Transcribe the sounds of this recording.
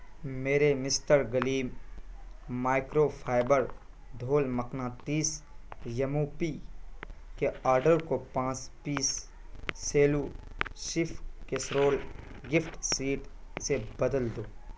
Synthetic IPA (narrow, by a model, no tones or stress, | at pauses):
meːɾemɪsʈəɾɡəliːm | maːɪkɾopʰaːɪbəɾ | d̪ʱoːlməknãːt̪iːsjɐmupi | keaːɾɖəɾkopãːt͡ʃpiːsː | eːluʃɪfʰkesɾoːl | ɡɪfʈsiːʈsebəd̪əld̪oː